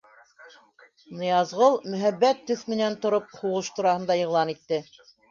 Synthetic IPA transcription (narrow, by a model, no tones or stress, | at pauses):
nɤ̆jɑzʁɤlˠmɵ̆ɦæbːæt̪ːɵθmɘ̆nænt̪ŏɾop̚huʁɤʃt̪uɾɑhɤ̆nd̪ɑjɤ̆ʁlˠɑnit̪ːɘ